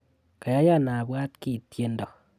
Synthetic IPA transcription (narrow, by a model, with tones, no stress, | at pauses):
ka˨ja˦ja˦˨na˨bwa˦tki˦˨tje˦ndɔ˨k